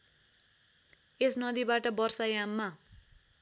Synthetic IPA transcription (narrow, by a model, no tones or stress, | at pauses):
esnʌd̪ibaʈʌbʌrsajamːa